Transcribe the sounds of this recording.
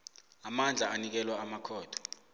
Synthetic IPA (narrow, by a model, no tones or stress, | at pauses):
amand͡ɮʱaːnik̬ɛlwaːmakʰɔːd̥ʰɔ̥